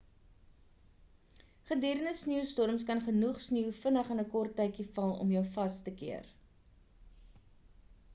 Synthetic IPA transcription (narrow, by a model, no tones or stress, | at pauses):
χədiəɾənəsniwstɔrmskɐnχənuχsniwfənəχənəkɔrtːɛjkifɐlˠɔ̰mjœwfɐstəkiər